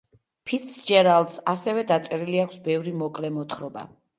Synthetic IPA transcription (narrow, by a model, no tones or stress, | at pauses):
pʰit̪sd͡ʒɛɾalˠd̪sasɛvɛd̪at̪sʼɛɾiliakʷʰsbɛvɾimɔkʼlɛmɔt̪ʰχɾɔba̰